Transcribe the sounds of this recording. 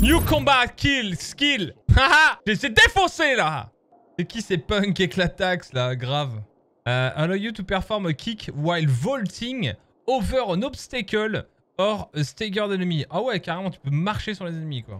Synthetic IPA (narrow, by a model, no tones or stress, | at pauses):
njukɔ̃bakʲilskʲilaaʒesed̪efɔ̃sela | sɛkʲisɛpœ̃ŋkɛklat̪akslaɡʁav | øalɔjut̪upɛʁfɔʁmkʰʲikwajlvɔlt̪iŋ | ɔvœʁɔ̃nɔpst̪ekʲɔl | ɔʁøst̪eɡœʁd̪ɛnmiʔawɛkaʁemɑ̃t̪y̥pømaʁʃesyʁlezɛnmikwa̰